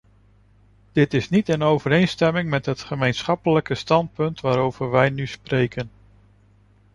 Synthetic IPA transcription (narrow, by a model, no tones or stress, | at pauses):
d̥ɪtɪsnitənowvəɾejnstɛmɪŋmɛtɦətχəmejnsχɑpələkəstɑnt̚pɵntʋaːɾowv̥əɹʋɛjnysprejkən